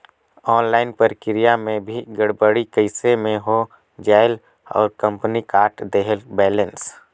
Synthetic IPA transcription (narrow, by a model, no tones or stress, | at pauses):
ɔːnlaːɪnpəɾkɪɾijamẽbʱiɡəɽbəɽikəɪsemẽɦo | d͡ʒaːɪl | ɔ̰ːɾkə̃mpnikaːɾʈd̪eɦəlbɛːləns